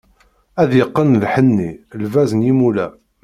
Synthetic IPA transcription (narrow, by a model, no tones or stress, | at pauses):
æðjəqːənlħənːilvæzənjimulæ